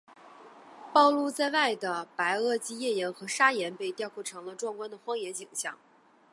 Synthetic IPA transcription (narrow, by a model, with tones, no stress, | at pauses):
pɑ˥˧ʊlu˥˧t͡sa˥˧ɪwa˥˩ɪd̪ə˩pa˧˥ɪɤ˥˩t͡ɕi˥jɛ˥˩njɛ˧˥nxɤ˧˥ʂa˥jɛ˧˥npe˥˧ɪt̪jʊkʰwɔ˥˩ʈ͡ʂʰɤ˧˥ŋlə˧ʈ͡ʂwŋkwa˥nd̪ə˨xwɑ˥ŋjɛ˧˥nt͡ɕi˨˩ŋɕjɑ̰˥˩ŋ